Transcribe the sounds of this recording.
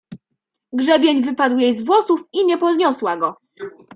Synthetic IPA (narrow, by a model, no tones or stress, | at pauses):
ɡʐɛbʲjeɲvɘpad̪wjejzvwɔsufiɲɛpɔd̪ɲɔswaɡɔ